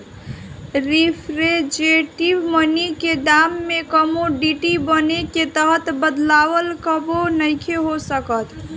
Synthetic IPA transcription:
ɾipʰɾed͡ʒeʈibməniked̪amːekəmoɖiʈibəneket̪əɦət̪bəd̪lawəlkəbonəɪkʰeɦosəkət̪

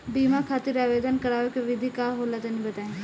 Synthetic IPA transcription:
biːmakʰaːt̪ɪɾaːʋeːd̪ənkəɾaːʋekeʋɪd̪ʱikaːɦoːlat̪onĩbɐt̪aːẽː

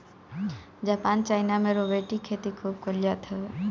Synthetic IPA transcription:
d͡ʒaːpaːnt͡ʃaːɪnamẽɾoʋeːʈikʰeːt̪ikʰuːb̚kolijat̪ʰeʋe

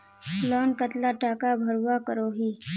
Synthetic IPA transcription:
lɔːnkət̪laʈaːkabʱɐɾwakəɾoːɦiː

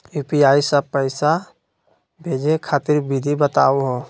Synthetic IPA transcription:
juːpiaːisəpəɪsa | bʱeːd͡ʒekʰaːt̪ɪɾbid̪ʱibət̪a̰ːoɦoː

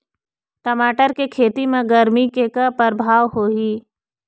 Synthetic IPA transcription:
ʈəmaːʈəɾkekʰeːt̪imẽɡəɾmikekapəɾbʱaːʋɦoːɦiː

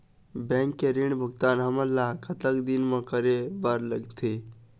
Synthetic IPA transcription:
bɛ̃ŋkːeɾiɳbʱəɡt̪aːnɦəməɾlakʰət̪əkd̪inmẽkəɾebəɾləɡt̪ʰi

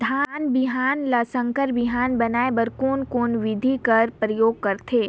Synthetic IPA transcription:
d̪ʱaːnbɪɦaːnlasə̃ŋkəɾbɪɦaːnbɐnaːebəɾkoːnkoːnʋɪd̪ʱikəɾpɾəjoːɡ̚kɐɾt̪ʰeː

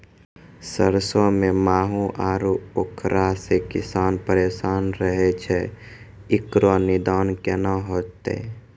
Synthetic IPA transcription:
səɾsõmẽmaːɦũʔaːɾuokʰɾasekɪsaːnpəɾeːsaːnɾəɦet͡ʃʰe | ɪkɾonɪd̪aːnkenaɦoːt̪ḛ

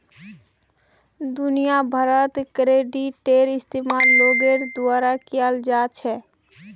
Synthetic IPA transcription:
d̪ʊnijabʱəɾət̪kɾeɖiʈːeɾɪst̪emaɾloɡeɾd̪ʊaːɾakijald͡ʒaːt͡ʃʰɛ

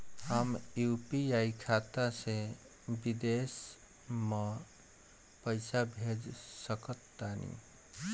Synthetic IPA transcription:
həmjupiaikʰat̪ase | bid̪es | mə | pəjsabʱed͡ʒsəkət̪ːanḭ

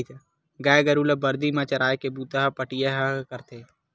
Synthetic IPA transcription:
t̪ | ɡaːjɡɐɾuːləbɐɾd̪imãt͡ʃɐɾaːjkebuːt̪əɦɐpəʈijəɦɐkəɾt̪eː

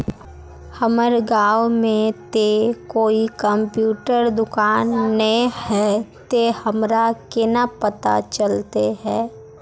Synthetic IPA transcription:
həməɾɡaːwmẽt̪ekoːikəmpjuːʈəɾd̪ʊkaːnːəĩhɛːt̪ehəmɾakɪnapət̪a̰t͡ʃəlt̪eɦɛː

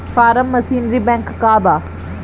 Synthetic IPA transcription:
faːɾəmːɐsiːnɾibɛ̃ŋkːaːbaː

